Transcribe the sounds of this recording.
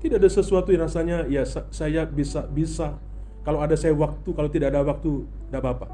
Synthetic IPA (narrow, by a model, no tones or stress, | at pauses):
t̪idaadasəsuat̪ujaɾasaɲajasasajabisabisa | kaloadasajawak̚t̪ukalowt̪idaːdawak̚t̪u | dabapa